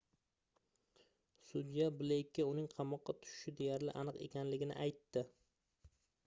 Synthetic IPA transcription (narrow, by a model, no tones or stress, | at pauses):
sʊd̪ijabɪlekʲʰːaʊnɪŋqʰɑmɒqːɑt̪ʰʊ̥ʃɪ̥ʃɪd̪e̞jaɾlɪ̰ʔanɨqe̞̰kʲanlɪɡʲɪnɪ̰ʔajt̪ːɪ